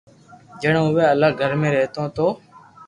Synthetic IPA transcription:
d͡ʒəɳõːʊʋẽːəlaːɡʱəɾmẽːɾeɦt̪õːt̪oː

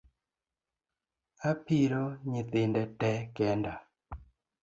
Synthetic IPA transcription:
apiɾoɲɪtɪndɛtɛkɛnda

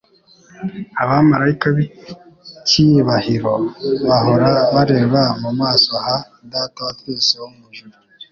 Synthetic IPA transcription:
aβamaɾaikaβi | ciβahiɾo̞βaho̞ɾaβaɾe̞ːβamumaːsoaha | d̪aːtaatuːsoomuʒuɾu

